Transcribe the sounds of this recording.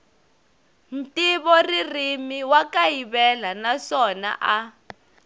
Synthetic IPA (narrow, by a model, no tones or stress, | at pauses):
n̩tiβɔririmiwakajiβɛlanaʂɔna̰ʔa